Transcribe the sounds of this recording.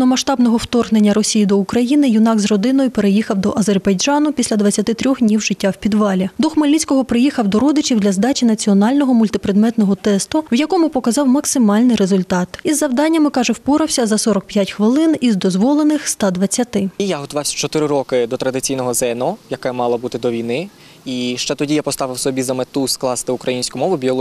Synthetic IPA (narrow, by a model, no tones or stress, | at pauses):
nɔmɐʃt̪ɑbnɔɦɔwt̪ɔrɦnenʲːɐɾɔsʲijid̪ɔukɾɐjinɪjʊnɑkzrɔd̪ɪnɔjʊpeɾejixɐwd̪ɔʔɐzerbɐjd͡ʒɑnʊpʲisʲlʲɐd̪ʋɐt͡sʲːɐt̪ɪt̪ɾʲɔxdʲnʲiwʒɪtʲːawpʲid̪ʋɑlʲid̪ɔxmɐlʲisʲkɔɦɔpɾɪjixɐwd̪ɔɾɔd̪ɪt͡ʃʲiwd̪lʲɐzd̪ɑt͡ʃʲinɐt͡sʲiɔnɑlʲnɔɦɔmʊlʲt̪ɪpɾed̪mɛt̪nɔɦɔt̪ɛst̪ʊwjɐkɔmʊpɔkɐzɑwmɐksɪmɑlʲnɪjɾezʊlʲt̪ɑt̪izːɐwd̪ɑnʲːɐmɪkɑʒɛwpɔɾɐwsʲɐzɐsɔɾɔk̚pjatʲxʋɪlˠɪnizd̪ɔzʋɔlˠenɪxst̪ɑd̪ʋɐt͡sʲːɐt̪ɪjaɦɔt̪ʊʋɑwsʲɐ̥t͡ʃɔt̪ɪɾɪɾɔkɪd̪ɔt̪ɾɐd̪ɪt͡sʲijnɔɦɔzɛnɔjɐkɛmɑlˠɐbut̪ɪd̪ɔʋʲijnɪ | iʃt͡ʃɛt̪ɔdʲijapɔst̪ɑʋɪwsɔbʲizɐmet̪usklˠɑst̪ɪʊkɾɐjinʲsʲkʊmɔʋʊbʲiɔlˠ